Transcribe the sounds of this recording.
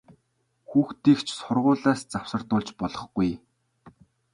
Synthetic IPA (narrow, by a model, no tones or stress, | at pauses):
xuːxt̪iːkt͡ɕʰsʊrʁʊːɮaːst͡saw̥sə̆r̥t̪ʊːɮt͡ɕpɔɮɞ̆χɡ̥uj